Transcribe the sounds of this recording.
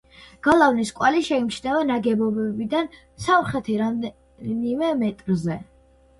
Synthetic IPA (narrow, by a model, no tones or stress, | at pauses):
ɡ̥alˠavniskʼwaliʃɛimt͡ʃʰnɛvanaɡɛbɔbɛbid̪an | samχɛt̪ʰiɾad̪ | nimɛmɛt̪ʼɾzɛ